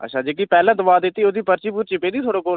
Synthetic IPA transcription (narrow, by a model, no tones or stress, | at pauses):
ə̰tːʃʰãːd͡ʒeːk̬iːpɛːlãːd̪ʊbaːd̪ɪt̪iːod̪iːpəɾt͡ʃiːpuːɾt͡ʃɪpẽːd̪iːt̪ʰoːɽoːkoː